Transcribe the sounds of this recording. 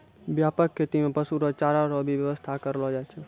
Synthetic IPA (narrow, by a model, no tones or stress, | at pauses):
bjapəkʰːet̪imepəsuɾɔt͡ʃaɾaɾɔbʱiʋjəʋəst̪ʰakəɾlɔd͡ʒat͡ʃʰɛ